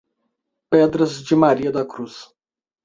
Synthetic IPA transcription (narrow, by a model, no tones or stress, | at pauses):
ped̪ɾɐzd͡ʒɪmaɾiɐd̪ɐkɾus